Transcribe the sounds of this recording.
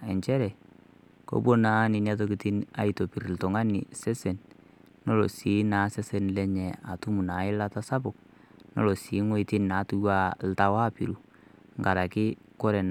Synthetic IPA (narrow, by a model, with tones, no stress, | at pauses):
ɛ˨ɲt͡ʃɛ˦ɾɛ˨ | ko̰˦bo˦na˦nɪ˨n˦a˦t̬o˦ki˨ti˦na̰˨˦i˦to˨pi˨ɾltɔ˨ŋa˦nɪ̰˨sɛ˦se˨n | no˦lɔ̰˨si˨˦na˨˦sɛ˦sɛ˨nlɛ˦ɲɛ˨a̰˨tu˦mu˨na˨˦ɪ˦la˦ta˦sa˦bʊ˨k̚ | no̰˦lɔ˨siː˨˦ŋɔ˦i˦ti˦n˨na˨˦tu˦wa˦lta˦wa˦pi˨ɾu˨ | ŋɡa˨ɾa˨kɪ˦kɔ˦ɾɛ˨n